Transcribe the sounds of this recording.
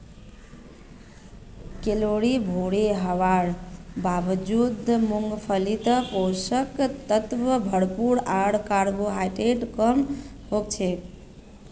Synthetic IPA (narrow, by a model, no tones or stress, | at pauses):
keloɽibʱoɽeɦəʋaɽbabd͡ʒud̪muŋɡpʰəlit̪əposəkt̪ət̪ʋəbʱəɽpuɾaɽkaɾboɦaʈeʈkəm | ɦok̚t͡ʃʰɛ